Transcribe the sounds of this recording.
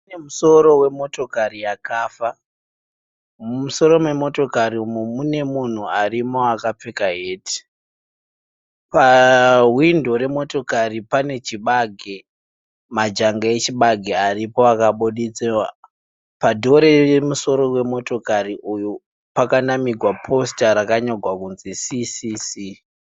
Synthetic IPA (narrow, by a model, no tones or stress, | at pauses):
nemuso̞ɾo̞we̞mo̞to̞karijakaːfa | muso̞ɾo̞mwe̞mo̞to̞kaɾiumumune̞mun̤uarimoakap͡fekaɦeːti̥ | paɦwindo̞ɾe̞mo̞to̞karipane̞t͡ʃiɓaɡʱe | mad͡ʒaŋɡaet͡ʃiɓaɡʱearipo̞akaɓuɗit͡sewa | padʱo̞ɾe̞jemuso̞ɾo̞we̞mo̞to̞kariʔuju | pakanamiɡʱwapʰo̞staɾakaɲoɡʱwakunzisisisi